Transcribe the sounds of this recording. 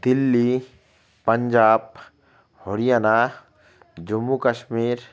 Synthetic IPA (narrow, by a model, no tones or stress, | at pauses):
d̪̥ɪlːi | pɐɲd͡ʒaːb̚ | hoɽijana | d͡ʒʊmːukəʃmiːɾ